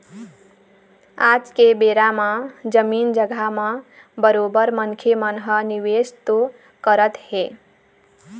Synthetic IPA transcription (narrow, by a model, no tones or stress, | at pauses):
aːd͡ʒkebeːɾamãd͡ʒəmiːnd͡ʒəɡʱamã | bəɾoːbəɾmənkʰemənɦəniʋeːst̪o | kəɾət̪heː